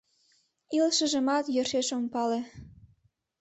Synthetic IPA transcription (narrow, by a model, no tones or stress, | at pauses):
ilʃə̆ʒə̆mɑt̪jørʃeʃompɑle